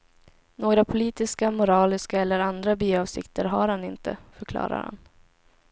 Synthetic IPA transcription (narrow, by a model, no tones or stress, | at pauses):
noːɡɾapʰʊliːt̪ɪskamʊɾɑːlɪskaɛlːəɾand̪ɾabyːɑːvsɪ̰kt̪əɾɦaɾhanɪnt̪ʰə̰fœɾkʰlɑ̰ːɾa̰ɾha̰n